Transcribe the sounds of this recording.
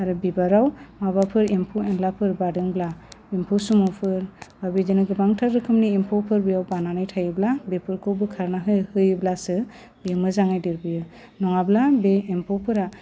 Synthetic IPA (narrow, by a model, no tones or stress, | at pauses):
aɾɯbibaɾawmabapʰɯɾimpʰuɛnlapʰɯɾbadɯŋblaimpʰusumɔpʰɯɾbabidinɯɡɯbaŋtʰaɾɾɯkʰɯmniimpʰɔpʰɯɾbijawbananɯjtʰajɯblabepʰɯɾkʰowbɯkʰaɾnaɦɯjhɯjɯblasɯ | b̥ijɯmɯzaŋajdiɾbijɯ | nɔŋablabeːmpʰɔpʰɯɾa